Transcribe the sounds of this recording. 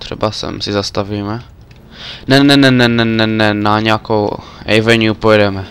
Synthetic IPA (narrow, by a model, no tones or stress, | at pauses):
t̪ɾɛ̰basɛ̰msizast̪avimɛ | nɛnɛnɛnɛnɛnɛnɛnaɲakowɛvɛnjupɔɛd̪ɛmɛ